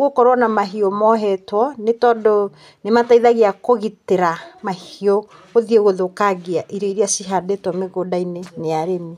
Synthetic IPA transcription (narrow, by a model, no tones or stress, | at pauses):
ɣokɔɾwanamaɦiomɔɦɛtwɔnetɔːndo | nemataiðaɣeakoɣiteɾamahio | ɣoðieɣoðokaɣiaʔiɾeiɾeasiɦadetwɔmeɣodaineneaɾemi